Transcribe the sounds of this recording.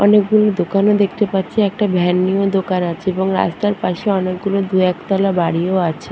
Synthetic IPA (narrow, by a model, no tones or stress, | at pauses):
ɔnekɡulod̪okanod̪ek̚ʰt̪epatːt͡ɕʰeɛk̚ʈabʱɛnːiod̪okanat͡ɕʰeeboŋɾa̰st̪aɾpaʃeɔnek̚ɡulod̪uɛkt̪ɔlabaɽiooat͡ɕʰe